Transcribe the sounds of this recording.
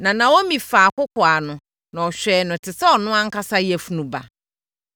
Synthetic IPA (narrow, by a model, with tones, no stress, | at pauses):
nã˨nã˨wo˦mĩ˨faː˨kʊ˦kʊ˨a˨nʊ̃˨ | nã˨ɔ˨ɕᶣɛ˨˦nʊ̃˨tʰɪ˨sɛ˦ɔ˨nʊ̃˦ã˦ŋ̩˦ka˦sa˦jɛ˨fu˨nũ˨ba̰˨